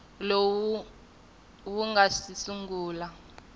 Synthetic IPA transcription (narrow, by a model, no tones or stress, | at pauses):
low | wuŋɡasisuŋɡuːla